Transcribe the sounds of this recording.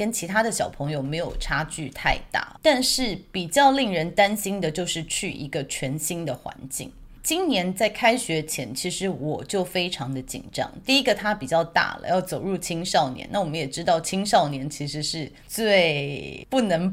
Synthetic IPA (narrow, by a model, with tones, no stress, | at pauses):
kə˥nt͡ɕʰi˧˥t̪ʰa˥d̪ə˨ɕjɑ˨˩ʊpʰɤ˧˥ŋjo˧ʊme˧˥ɪjo˨˩ʊʈ͡ʂʰa˥t͡ɕy˥˧t̪ʰa˥˧ɪt̪a̰˥˩t̪a˥˧nʂɻ̩˥˩pi˨˩t͡ɕjɑ˥˧ʊli˥˩ŋɻə˧˥nt̪a˥nɕi˥nd̪ə˨t͡ɕjo˥˧ʊʂɻ̩˥˧t͡ɕʰy˥˩ʔḭ˧˥ɡə˧t͡ɕʰɥɛ˧˥nɕi˥ŋd̪ə˨xwa̰˧˥nt͡ɕḭ˥˩ŋ | t͡ɕi˥nnjɛ˧˥nt͡sa˥˩ɪkʰa˥ɪɕɥɛ˧˥t͡ɕʰjɛ˧˥nt͡ɕʰi˧˥ʂɻ̩˧˥wɔ˨˩t͡ɕjo˥˩ʊfe˥ɪʈ͡ʂʰɑ˧˥ŋd̪ə˨t͡ɕḭ˨˩nʈ͡ʂɑ̰˥ŋt̪i˥˩i˦˥ɡə˨t̪ʰa˥pi˨˩t͡ɕjɑ˥˧ʊt̪a̰˥˩lə̰˩jɑ˥˩ʊt͡so˨˩ʊɻu˥˩t͡ɕʰi˥ŋʂɑ˥˩ʊnjɛ̰˧˥˦na˥˩wɔ˨˩mə˦njɛ˨˩ʈ͡ʂɻ̩˥t̪ɑ˥˩ʊt͡ɕʰi˥ŋʂɑ˥˩ʊnjɛ˧˥nt͡ɕʰi˧˥ʂɻ̩˧˥ʂɻ̩˥˧ | t͡swe˥˩ɪpu˥˩nə˧˥ŋ